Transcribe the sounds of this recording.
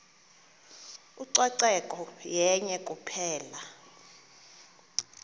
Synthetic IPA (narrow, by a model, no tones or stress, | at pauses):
uǀwaǀɛkʼɔjɛɲɛkʼupʰɛːla